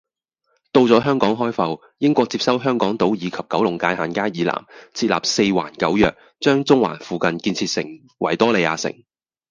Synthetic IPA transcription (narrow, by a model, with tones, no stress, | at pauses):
t̪o˧wt͡sɔː˨˥ɦœː˥ŋkɔː˨˥ŋɦɔː˥jfɐ˨w | jɪ˥ŋkʷɔː˧k̚t͡siː˧p̚sɐ˥wɦœː˥ŋkɔː˨˥ŋt̪o˨˥wjiː˨˧kʰɐ˨p̚kɐ˨˥wlʊ˨˩ŋkaː˧jhaː˨nkaː˥jiː˨˧la̰ː˨˩mt͡sʰiː˧t̚la̰ː˨p̚se˧jwa̰ː˨˩nkɐ˨˥wjœː˨k̚ | t͡ʃœː˥ŋt͡sʊ˥ŋwa̰ː˨˩nfuː˨kɐ˧nkiː˧nt͡sʰiː˧t̚sɪ̰˨˩ŋ | wʔɐ̰˨˩jt̪ɔː˥le˨˧jaː˧sɪ̰˨˩ŋ